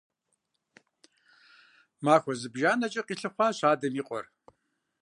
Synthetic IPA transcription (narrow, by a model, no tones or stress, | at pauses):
maːxʷɔzɨbʒaːnɐt͡ʃʼɐqiːɬɨχʷɑːɕaːdɐmiːqʷʼɔ̰r